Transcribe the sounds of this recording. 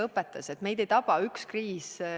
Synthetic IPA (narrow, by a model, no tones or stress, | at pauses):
ɤpːˑet̪ːˑɑse̞t̪me̞jd̪̥e̞jt̪ɑb̥ɑykskriːs